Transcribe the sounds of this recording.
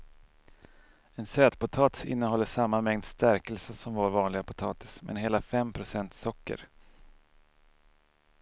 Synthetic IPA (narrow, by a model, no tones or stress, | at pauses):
ɛnsøːt̪pʊt̪ʰɑːt̪ɪ̰nːəɦɔlːəʂamːamɛŋd̪st̪æɾkəlsəsɔmvoːɾvɑːnlɪɡapʰʊt̪ʰɑːt̪ɪ̥smʔɛ̰nɦeːlafɛmpʰɾʊsɛnt̪sɔkːə̰ɾ